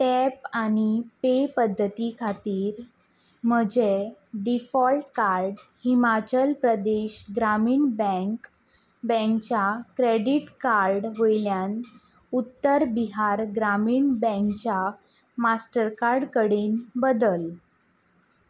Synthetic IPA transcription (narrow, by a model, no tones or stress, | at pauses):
ʈɛpañipepəd̪ʱːət̪ikʰat̪iːɾ | m̤əd͡ʑeɖifɔlʈkaɾɖhimat͡ɕəlpɾəd̪eɕɡɾamiːɳbɛ̃ŋk | bə̃ŋkt͡ɕakɾeɖiʈkaɾɖʋəjljan | ut̪ːəɾbiɦaɾɡɾamiːɳbə̃ŋkt͡ɕja | masʈəɾkaɾɖkəɽiːnbəd̪əl